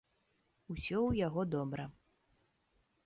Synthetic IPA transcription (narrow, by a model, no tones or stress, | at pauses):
usʲɔwjaɣɔd̪ɔbɾɐ